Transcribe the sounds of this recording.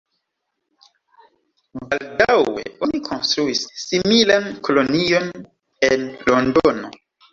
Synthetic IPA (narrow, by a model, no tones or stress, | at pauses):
baldawe̞̰ʔo̞nikʰonstɾuisːimilankʰo̞lo̞nijo̞n | enlo̞ndono̞̰